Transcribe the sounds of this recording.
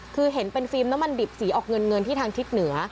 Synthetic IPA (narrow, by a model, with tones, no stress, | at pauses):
kʰɯː˧ɦe˩˦npe˧nfiː˧mna˦˥mːa˧ndi˨˩p̚siː˩˦ʔɔː˨˩k̚ŋɤ˧nŋɤ˧nt̪ʰiː˥˩t̪ʰaː˧ŋt̪ʰi˦˥t̪̚nɯ˩˦ɐ